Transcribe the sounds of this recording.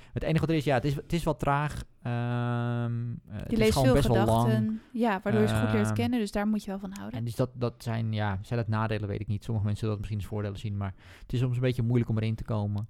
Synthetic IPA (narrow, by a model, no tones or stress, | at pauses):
əteːnəxəʋɔtəɾɪsjaətɪsətɪsʋɔlˠtraːx | ə | dilesːsəofːlmɛsʋɔdlˠlɔtŋənjaʋaɹdʊːɹjəxulɪːɹtkɪnədøsdaːɹmutjəʋɛlˠfɑnɦawdəndøsdɔtdɔtsɛjnjasɛjdɔtnaːdeːlˠəʋḛːtɪk̚nitsoməxəmɛnsəəlˠdɔtmɪsχinənsfʊːɹdeːlˠəsinmar | ətɪsːomsənbeːtjəmujləkɔməɾɪntə̥koːmə